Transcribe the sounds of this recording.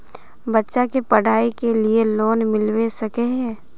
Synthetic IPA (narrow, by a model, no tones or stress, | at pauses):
bɐtːʃakepɐɽ̤ʱaːikelieloːnmɪlwesɐkeɦɛ̃ː